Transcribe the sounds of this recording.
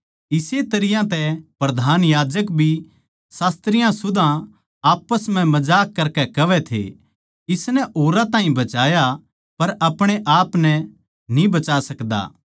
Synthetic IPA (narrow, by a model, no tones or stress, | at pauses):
ɪset̪ɐɾɪjãt̪ɛpɾɐd̪ʱaːnjaːd͡ʒəkbʱi | saːst̪ɾɪjãsʊd̪ã | aːpːəsm̤ɛ̃mɐd͡ʒaːkːɐɾkɛkɐʋɛt̪ʰḛ | ɪsnɛʔoːɾãt̪ãːɦĩbɐt͡ʃaːja | pɐɾɐpɽ̃eʔaːpnɛ | nĩbɐt͡ʃaːsɐkd̪a̰ː